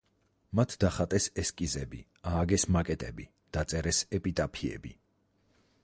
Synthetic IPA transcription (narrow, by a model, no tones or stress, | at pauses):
mat̪ʰd̪aχat̪ʼɛsɛskʼizɛbi | aːɡɛsmakʼɛt̪ʼɛbi | d̪̥at̪sʼɛɾɛsɛpʼit̪ʼapʰiɛ̰bḭ